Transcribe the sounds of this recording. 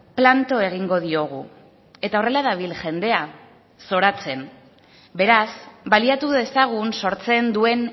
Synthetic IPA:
plant̪o̞e̞ɣ̞iŋɡo̞ð̞io̞ɣ̞u | e̞t̪ao̞re̞laðaβ̞ilʝe̞nd̪e̞a | so̞ɾat͡se̞n | be̞ɾasbaliat̪uðe̞saɣ̞unso̞ɾt͡se̞nd̪ue̞n

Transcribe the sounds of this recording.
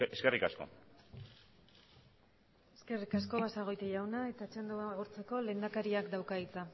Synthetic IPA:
eskerikasko̞̰ | e̞ske̞rikasko̞βasaɣ̞o̞jt̪eʝawnae̞t̪at͡ʃend̪oaɣuɾt͡se̞ko̞le̞ːnd̪akaɾiakd̪awkait͡sa

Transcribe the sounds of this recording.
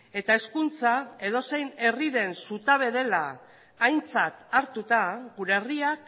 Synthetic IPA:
e̞t̪ae̞skunt͡sae̞ð̞o̞se̞jne̞riðe̞nsut̪aβ̞e̞ðe̞laː | jnt͡sat̪aɾt̪ut̪aɣuɾeːriak

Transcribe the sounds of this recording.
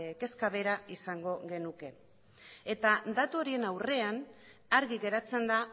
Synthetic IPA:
ke̞skaβe̞ɾaisaŋɡo̞ɣe̞nuke̞ | et̪ad̪at̪uoɾie̞nawre̞anaɾɣiɣe̞ɾat͡se̞nd̪a

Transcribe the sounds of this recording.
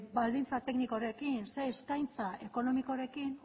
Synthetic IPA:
bald̪int͡sat̪e̞knikoɾe̞kinse̞ːskajnt͡saʔe̞ko̞no̞miko̞ɾe̞kin

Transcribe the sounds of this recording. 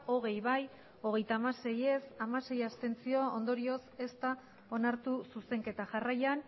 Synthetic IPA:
o̞ɣ̞e̞jβaj | o̞ɣ̞e̞jt̪aːmase̞je̞samase̞jast̪e̞nt͡sio̞ond̪o̞ɾio̞se̞st̪a | o̞naɾt̪ususe̞ŋke̞t̪aʝarajan

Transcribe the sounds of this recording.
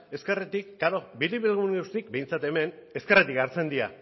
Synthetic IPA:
e̞ske̞ret̪ikːaɾo̞biliβilɣuŋɡawst̪ik̚be̞jnt͡sat̪e̞me̞ne̞ske̞ret̪ikaɾt͡se̞nd̪ia

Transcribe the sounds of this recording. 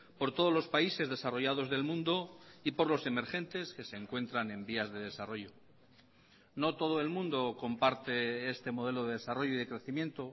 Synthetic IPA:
po̞ɾt̪o̞ð̞o̞zlo̞spaise̞zðe̞saro̞ʝað̞o̞zðe̞lmũnd̪o̞ipo̞ɾlo̞se̞me̞ɾxe̞nt̪e̞ske̞se̞ːŋkwe̞nt̪ɾane̞mbiazðe̞ðe̞saro̞ʝo | no̞t̪o̞ð̞oelmũnd̪o̞ko̞mpaɾt̪e̞est̪e̞mo̞ð̞e̞lo̞ðe̞ðesaro̞ʝoiðe̞kɾe̞θimjent̪o̞

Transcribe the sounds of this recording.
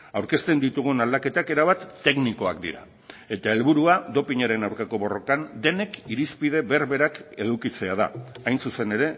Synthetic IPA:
awɾke̞st̪e̞nd̪it̪uɣ̞unald̪ake̞t̪ake̞ɾaβat̪ːe̞kniko̞ak̚d̪ḭɾa̰ | e̞t̪ae̞lβuɾuad̪o̞piɲaɾe̞nawɾkako̞βo̞ro̞kand̪e̞ne̞kiɾispið̞e̞βeɾβe̞ɾake̞ðukit͡se̞að̞a̰ajnsuse̞ne̞ɾe̞

